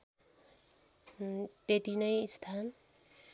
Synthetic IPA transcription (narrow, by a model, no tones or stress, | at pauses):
t̪et̪inʌjst̪ʰan